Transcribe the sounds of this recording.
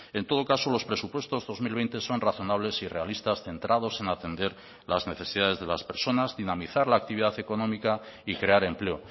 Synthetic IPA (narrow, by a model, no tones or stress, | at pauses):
e̞nt̪o̞ð̞o̞kaso̞lo̞spɾe̞supwe̞st̪o̞zðo̞zmilβe̞jnt̪e̞so̞nraθo̞naβ̞le̞sire̞alist̪asθe̞nt̪ɾað̞o̞senat̪e̞nd̪e̞ɾ | lazne̞θe̞siðað̞e̞zð̞e̞laspe̞ɾso̞nazðinamiθaɾlaːk̚t̪iβiðaθe̞ko̞nõ̞mika | ikɾe̞aɾe̞mple̞o̞